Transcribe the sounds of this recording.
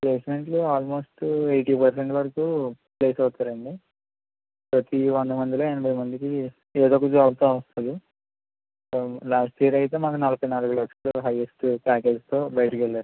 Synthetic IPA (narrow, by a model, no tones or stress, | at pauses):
pleːsme̞ɳʈloaːlmo̞ːsʈejʈiːpɐɾs̬eɳʈʋɐɾɐkuː | ple̞ːsɐwt̪aːɾɐɳɖi | pɾɐt̪iʋond̪ɐmɐnd̪ilo̞ːenɐbʱɐjmɐnd̪iki | eːd̪okud͡ʒuaːlt̪oːɐɐst̪ɐd̪i | laːsʈiːɐɾɐjt̪̬e̞ːmaːkunɐlɐpɐjnaːluɡulɐkʂloːɦɐjesʈpaːkelst̪o̞ːbɐjʈɐkɛlːaːɾu